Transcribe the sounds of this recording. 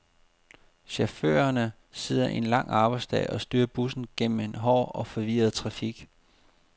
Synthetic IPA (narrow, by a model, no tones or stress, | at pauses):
ɕæfø̰ːɐnə | se̝ð̰ˠɐʔe̝nlɑ̈ŋ̰ɑ̈ːb̥ɑ̈ɪsd̥ɛ̰ːʔɒ̽sd̥yːɐb̥usn̩ɡ̥en̰m̩e̝nɦɒ̰ːɒ̽fɒ̽ʋiːɐð̞̩ˠt͡sʰʁɑ̈fiɡ̥